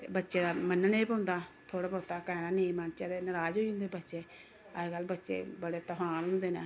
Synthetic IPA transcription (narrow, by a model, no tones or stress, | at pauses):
bətːʃeːd̪aːmənːəneːiːpãʊnd̪aːt̪ʰoːɽaːbɔːt̪aːkɛːnaːneimənt͡ʃaːd̪eːnəɾaːd͡ʒoːiʊ̃nd̪ebətːʃeː | əɡəlːbətːʃḛːbəɽeːt̪əɦaːnɦʊ̃nd̪eːnḛː